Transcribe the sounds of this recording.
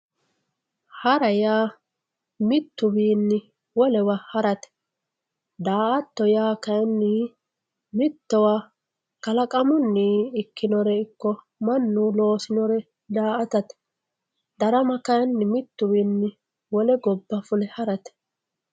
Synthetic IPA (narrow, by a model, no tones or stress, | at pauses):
hɐɾɐjaː | mɪt̪ːʊbiːnːɪ | wɔlɛwɐhɐɾɐt̪ɛ̥ | d̪aːʔɐt̪ːɔjaːkɐjnːi | mɪt̪ːɔwa | kɐlɐkʼɐmʊnːiɪkːɪnɔɾɛɪkːɔ | mɐnːulo̞ːsɪnɔɾɛ | d̪aːʔɐt̪ɐt̪ɛ̥ | d̪ɐɾɐmɐkɐjnːɪmɪt̪ːʊbiːnːɪ | wɔlɛɡɔbːɐfʊlɛhɐɾɐt̪ɛ̥